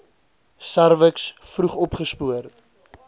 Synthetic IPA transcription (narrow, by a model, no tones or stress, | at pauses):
sæɾvəksfruχɔpχəspuər